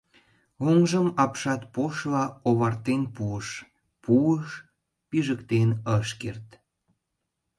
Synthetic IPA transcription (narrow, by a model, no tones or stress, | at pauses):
oŋʒəmɑpʃɑt̪̚poʃlɑoβɑrt̪enpuəʃ | puəʃ | piʒəkt̪enəʃkert̪